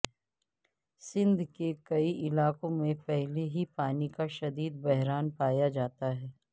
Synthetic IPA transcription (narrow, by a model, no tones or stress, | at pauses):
sɪ̃nd̪ʱkekɐiʔɪlaːkõmẽpɛɦleɦipaːnikaʃɐd̪iːd̪̚bɛɦɾaːnpaːjad͡ʒaːt̪aɦɛː